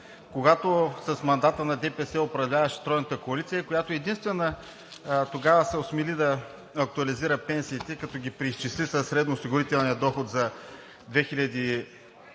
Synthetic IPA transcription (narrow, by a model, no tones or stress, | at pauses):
koɡat̪osɐsmɐnd̪at̪ənɐd̪ɛpɛsɛopɾɐvlʲavɐʃɛ̥t̪ɾɔjnət̪əkoɐlit̪sijəkojat̪oɛd̪inst̪vɛnə | t̪oɡavəsɛosmɛlid̪ɐ | ɐk̚t̪uɐliziɾəpɛnsiːt̪ɛkɐt̪ɔɡʲipɾiːst͡ʃislisɐsːɾɛd̪nosiɡʊɾit̪ɛlˠniəd̪ɔxot̪zɐ | d̪vɛxilʲɐd̪i